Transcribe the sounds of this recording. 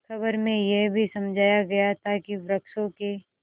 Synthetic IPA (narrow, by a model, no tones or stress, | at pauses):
kʰɐbəɾmẽjeɦbʱisɐmd͡ʒʱaːjaɡɐjat̪ʰakiʋɾɐkʃõke